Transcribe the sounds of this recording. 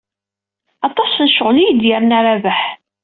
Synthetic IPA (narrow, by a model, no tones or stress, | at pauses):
ɑt̪ˤɑsnʃəʁlijəd̪jəɾnaɾævəħ